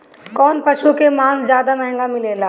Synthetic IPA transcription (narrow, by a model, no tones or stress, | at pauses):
kɔːnpɐʃukemãːszjaːd̪amɛ̃ɦɛ̃ŋɡamɪleːlaː